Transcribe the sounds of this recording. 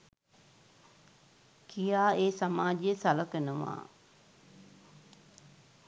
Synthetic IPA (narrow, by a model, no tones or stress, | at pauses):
kijaːeːsamaːd͡ʒejəsaləkənəʋa̰ː